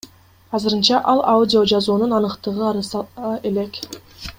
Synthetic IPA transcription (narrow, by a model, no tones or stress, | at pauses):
ɑzɯɾɯnt͡ʃɑʔɑlˠaudʲɪo̞d͡ʒɑzuːnunɑnɯqt̪ɯʁɯɑɾɯsʔe̞lek